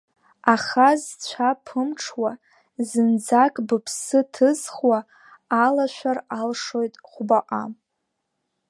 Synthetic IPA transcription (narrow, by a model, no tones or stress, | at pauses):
aχazt͡ɕʷʰapʰɨmʈ͡ʂʰwa | zɨnd͡zakʼbɨpʰsɨtʰɨzχwaː | laʃᶣʷaralʂo̞jtʼχʷbaqʼam